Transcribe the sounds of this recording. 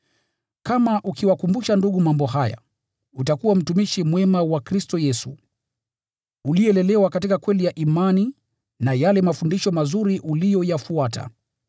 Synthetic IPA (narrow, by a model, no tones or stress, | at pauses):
kamaʔukiwakumbuʃanduɠumambɔhaja̰ | utakuwam̩tumiʃimwɛmawakɾistɔjɛsu | uliɛlɛlɛwakatikakwɛlijaʔimani | najalɛmafundiʃɔmazuɾiʔulijɔjafuata̰